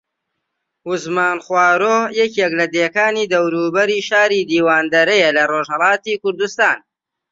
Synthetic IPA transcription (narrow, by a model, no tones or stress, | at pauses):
huzmaːnχwaːɾoːjɛkeklɐd̪eːkaːniːd̪ɐwɾuːbɐɾiːʃaːɾiːd̪iːwaːnd̪ɐɾɐjɛlɐroːʒhɐlˠɑːt̪iːkʊɾd̪ust̪aːn